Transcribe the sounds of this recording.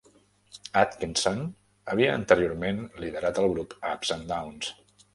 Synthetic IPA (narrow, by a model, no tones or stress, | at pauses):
at̪kinson | əβ̞iəə̰nt̪əɾioɾmenliðəɾat̪əlˠɣɾupəapsənd̪awns